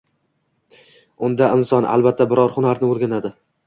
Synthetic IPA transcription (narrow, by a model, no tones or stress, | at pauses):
ʊnd̪aʔɪnsɒnʔa̰lˠbat̪ʰːabɪɾɒɾhʊnaɾnɪoɾɡʲanad̪ɪ